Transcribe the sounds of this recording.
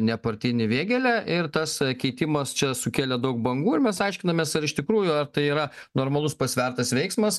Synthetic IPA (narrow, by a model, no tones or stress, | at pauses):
nʲɛpɐɾʲt̪ʲɪnʲɪʋʲeːɡʲɛlʲæʔɪrt̪ɐskʲɛɪt̪ʲɪmɐst͡ʃʲɛsʊkʲeːlʲɛd̪ɐʊk̚bɐŋɡuːɪɾmʲɛsɐɪʃʲkʲɪnɐmʲeːsɐɾɪʃt̪ʲɪkɾuːjʊɐrt̪ɐɪiːɾɐnoːɾmɐlˠʊspɐsʲʋʲɛrt̪ɐsʋʲɛɪksmɐs